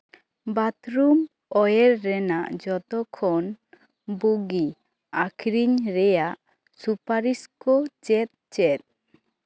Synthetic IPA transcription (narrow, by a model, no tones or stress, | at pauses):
bat̪ɾum | ɔjeɾːɛnaʔd͡ʒɔt̪ɔkʰɔn | buɡi | akʰɾiɲɾɛjaʔ | supaɾiskɔt͡ʃɛt̪̚t͡ʃɛt̪̚